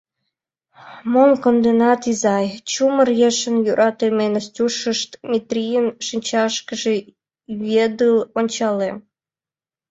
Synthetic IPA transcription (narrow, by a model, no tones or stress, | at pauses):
momkond̪enɑt̪izɑjt͡ɕumərjeʃənjuɾʔɑt̪emenəstʲuʃəʃt̪mʲit̪ɾʲijənʃɨnʲt͡ɕɑʃkəʒe | ed̪ɨlonʲt͡ɕɑle